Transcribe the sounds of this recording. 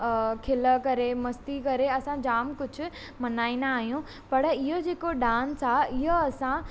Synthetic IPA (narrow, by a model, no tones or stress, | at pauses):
kʰɪləkɐɾemɐst̪ikɐɾeɐsãd͡ʑaːmkʊd͡ʑʱʊ̆ | mɐnaːinaːɦijũ | pɐɽɪɦod͡ʑeːkoɖaːnsaɪɦoɐsã